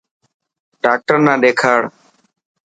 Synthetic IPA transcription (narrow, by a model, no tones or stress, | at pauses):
ɖaːk̚ʈəɾnãːɗeːkʰaːɽ